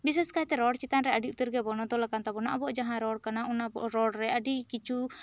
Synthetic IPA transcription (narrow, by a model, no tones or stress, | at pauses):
bis̬ɛskajt̪ɛɾɔɽt͡ʃit̪anɾɛaɖiut̪əɾɡɛbɔnɔt̪ɔlakant̪abɔnaʔɔbɔʔd͡ʒaɦãɾɔɽkanaunaɔɾɔɽɾɛʔaɖikit͡ʃu